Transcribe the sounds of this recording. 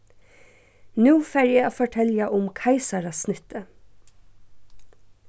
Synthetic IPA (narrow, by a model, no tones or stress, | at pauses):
nuːfæɾjæoːfɔʈʰɛljɑʔʊmkʰɑɪsɑɾɑsnʏt̪ə